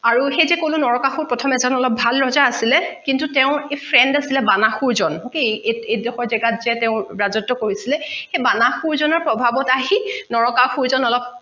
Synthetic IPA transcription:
aɹuxejzɛkolʊnɔɹɔkaxuɹpɹɔtʰɔmɛzɔnɔlɔp̚bʱalɹɔzaasilɛkintutɛʊ̃epʰɹɛndasilɛbanaxuɹzɔnkeeedɔxɔɹzɛɡatzɛtɛʊ̃ɹazɔtːʊkoɹisilɛxebanaxuɹzɔnɔɹpɹɔbʱabɔtaɦinɔɹɔkaxuɹzɔnɔlɔp̚

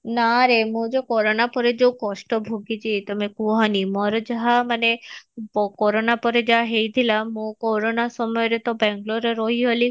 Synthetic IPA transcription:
naɾemõd͡ʒekɔɾonapɔɾed͡ʒeukɔʃʈɔbʱoɡit͡ʃʰit̪ɔmekuɦɔnimɔɾɔd͡ʒaɦamanepɔkɔɾonapɔɾed͡ʒaɦaɦejt̪ʰilamokɔɾonasɔmɔjɔɾet̪ɔbɛŋɡloɾeɾɔɦiɦoli

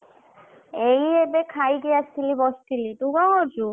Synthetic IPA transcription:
ejebekʰajɡiast̪ʰilibɔst̪iliʈubaɦoɾd͡ʑu

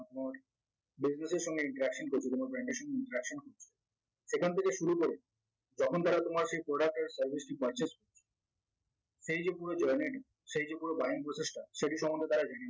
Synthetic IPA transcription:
t̪omaɾ | bid͡ʑneseɾʃɔŋɡeiɳʈaɾɛkʃonkoɾt͡ɕʰet̪omaɾbɾaɳʈeɾʃɔŋɡeiɳʈaɾɛkʃonkoɾt͡ɕʰe | ʃekʰant̪ʰekeʃuɾukoɾe | d͡ʑɔkʰont̪aɾat̪omaɾʃejpɾoɖak̚ʈaɾsəɾbʱisʈipɔjt͡ɕesʈ̚koɾt͡ɕʰe̥ | ʃejd͡ʑepuɾod͡ʑeɾneni | ʃejd͡ʑepuɾobaɦinpɾot͡ɕeʃʈʰaʃeʈiʃɔmond̪ʱet̪aɾad͡ʑeni

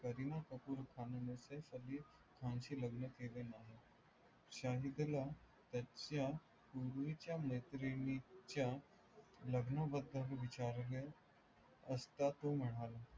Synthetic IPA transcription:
kəɾinakəpuɾkʰaːnənesefəli | kʰãːnʃiləɡnət̪ʰelenaːɦe | ʃaːɦid̪la | t̪ɐt͡ɕja | kuɾuit͡ɕjameːt̪ɾinit͡ɕa | ləɡnabəd̪ʱəɾʋɪt͡ɕaːɾɾe | ɐst̪at̪omɐɽ̃aːla

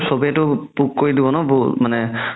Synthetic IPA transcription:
sobiɛtʊpukkːoɹidibɔnɔbumanɛ

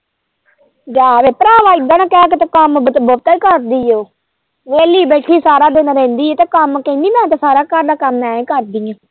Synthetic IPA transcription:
d͡ʒaːʋeːpəɾaːʋaːɪd̪ãnãːkɛːk̬et̪aːkəmbət̪aikəɾd̪iːoː | ʋeːliːbeːʈʰiːsaːɾaːd̪eːnaɾɛ̃ːnd̪iːeːt̪eːkəmkeniːmɛ̃ːt̪aːsaːɾaːkaɾd̪aːkəmːɛːẽːkəɾd̪iːãː

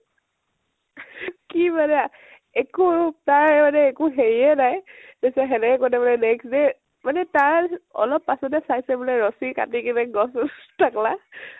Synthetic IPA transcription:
kimanɛ | ekutaɹmanɛːkuɦeɹiɛnajtesaɦɛnɛkɔnɛbɔlɛnɛksde | manɛtaɹɔ̰lɔpːasɔdɛsajsɛbɔlɛɹɔsika̰tikinɛɡɔstʰakla

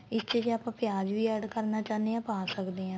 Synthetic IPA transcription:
ɪst͡ʃiːd͡ʒaːpãːpɪjaːd͡ʒʋiːɛɖkəɾnaːt͡ʃaːneːãːpaːsəkd̪eːɦãː

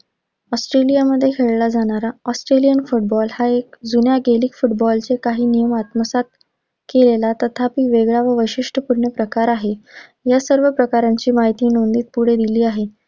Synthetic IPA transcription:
ɔsʈɾelijaməd̪ʱːjekʰeɭlad͡zaɽ̃aɾaɔsʈɾelijənfuʈ̚bɔlhaek̚d͡zunjaɡeliːkfuʈbɔlt͡sekaɦiːnijəmat̪məsat̪̚ | kelelat̪ət̪ʰapiːʋeɡɭaʋəʋəɕiʂʈʰəpuɾɳjəpɾəkaɾaɦejasəɾʋəpɾəkaɾaɲt͡ɕiːmaɦit̪iːnond̪iːt̪̚puɽ̤ed̪iliːaɦe

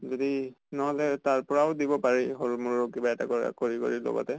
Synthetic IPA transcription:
zodi | nɔɦɔlɛtaɹpɔɹaʊdibɔpaɹiɦoɹumuɹɔkibaɛta̰kɔa̰koɹiko̰ɹilɔ̰ɡɔ̰tɛ

